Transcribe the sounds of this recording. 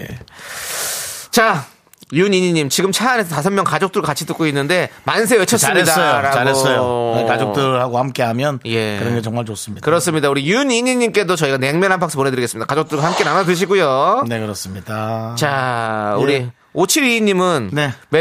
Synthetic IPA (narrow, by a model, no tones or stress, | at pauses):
ḛ | t͡ɕa | juniɲiɲːimt͡ɕiɡɯmt͡ɕʰaanɦe̞sʰʌtasʰʌmjʌŋkad͡ʑok̚t͈uɭɡakat͡ɕʰitɯk͈oinːɯnde̞mans̬ʰeet͡ɕʰʌsɯmɲidaɾaaɡsʌjokad͡ʑok̚t͈ɯɭhaɡohamk͈e̞ɦamjʌnje̞kɯɾʌnɡe̞t͡ɕʌŋmaɭt͡ɕos͈ɯmɲidakɯɾʌs͈ɯmɲidauɾijuniɲiɲːimk͈e̞dot͡ɕʌiɡane̞ŋmjʌnɦanpʰaks͈ʌpone̞dɯɾiɡes͈ɯmɲidakad͡ʑok̚t͈uɭɡahamk͈e̞nanadɯɕ̬ʰiɡujone̞kɯɾʌs͈ɯmɲidat͡ɕauɾi | ot͡ɕʰiɾiiɲːimɯnne̞me